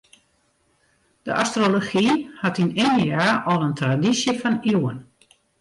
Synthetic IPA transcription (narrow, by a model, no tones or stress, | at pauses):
d̥əʔastroloxihatinɪndiaːʔɔlˠəntradisjəfɔniwən